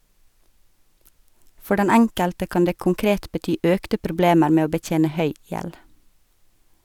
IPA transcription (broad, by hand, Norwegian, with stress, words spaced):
ˈfɔɾ ˈdɛn ˈɛŋkəltə ˈkɑːn ˈdeː kʊŋˈkɾeːt bəˈtyː ˈœktə pɾʊˈbleːməɾ ˈmeː ˈoː bəˈtjeːnə ˈhœʏ ˈjɛl